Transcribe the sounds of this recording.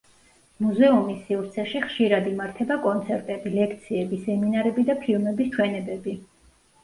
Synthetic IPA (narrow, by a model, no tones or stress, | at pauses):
muzɛumisːiuɾt̪sʰɛʃiχʃiɾad̪imaɾt̪ʰɛbakʼɔnt̪sʰɛɾt̪ʼɛbilɛkʰt̪sʰiɛbisɛminaɾɛbid̪apʰilˠmɛbist͡ʃʰwɛnɛbɛbi